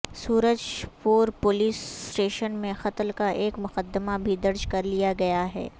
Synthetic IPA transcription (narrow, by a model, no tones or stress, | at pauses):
suːɾəd͡ʒpuːɾpʊliːsːʈeːʃənmẽxɐt̪lkaʔeːkmʊqəd̪əmabʱid̪ɐɾd͡ʒkɐɾlijaɡɐjaɦɛ̰ː